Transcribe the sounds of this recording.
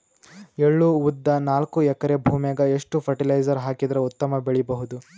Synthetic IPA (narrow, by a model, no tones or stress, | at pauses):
eɭːuud̪ːɐnaːlkuɛkɐɾebʱuːmeɡɐeʂʈupʰɐɾʈilɐjd͡ʒɐɾɦaːkid̪ɐɾeut̪ːɐmɐbeɭibɐɦud̪u